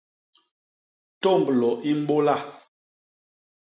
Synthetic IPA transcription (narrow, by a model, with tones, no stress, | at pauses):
to˦˨mblɔ˨ʔi˦m̩˦bo˦la˦˨